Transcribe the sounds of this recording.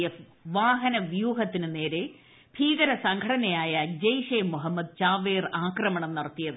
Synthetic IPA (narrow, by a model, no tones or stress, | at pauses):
jɐ | ʋaːɦɐnɐʋjuːɦɐt̪ːinɨne̞ːɾe̞ | bʱiːɣɐɾɐsɐŋɡʱɐʈʰɐnɐjaːjɐd͡ʑɐjʂeːmːuɦɐmːɐd̪̚t͡ɕaːʋeːraːkrɐmɐɳɐmnɐrɐt̪ːijɐðɨ